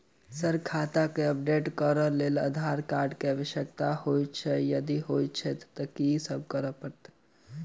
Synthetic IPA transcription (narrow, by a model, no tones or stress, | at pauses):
səɾkʰat̪akeəp̚ɖeʈkəɾəlelə̰d̪ʱaɾkaɾɖkeaʋəʃjək̚t̪ahojtt͡ʃʰɛjəd̪iɦojt̪t͡ʃʰɛt̪ːəkisəb̚ʱkəɾəpəɾt̪